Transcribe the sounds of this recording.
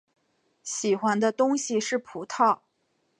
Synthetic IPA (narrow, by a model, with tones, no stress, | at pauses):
ɕi˨˩xwa˥nd̪ə˧t̪ʊ˥ŋɕi˨ʂɻ̩˥˩pʰu˧˥t̪ʰɑ˥˩ʊ